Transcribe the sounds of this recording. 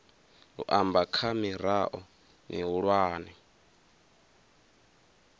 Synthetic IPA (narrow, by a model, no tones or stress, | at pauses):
ɦṵʔambakʰamiɾaʔɔ | nḭɦuɺwaːnɛ